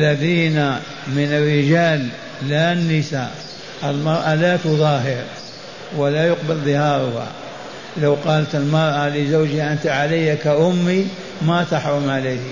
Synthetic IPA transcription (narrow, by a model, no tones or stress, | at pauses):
ʔalːaðiːna | mɪnɪrːɪd͡ʒaːlː | anːɪsa | ʔɪlmɑɾˤʔalat̪ʊðˤɑːɦɪɾ | walajʊqbalðˤɨhɑːɾˤʊha̰ | lawqɑːlat̪ɪlmɑɾˤʔalɪzawd͡ʒɪhaʔɪnt̪aʕalajːakaʔʊmːi | mat̪aħɾˤʊmʕalaːh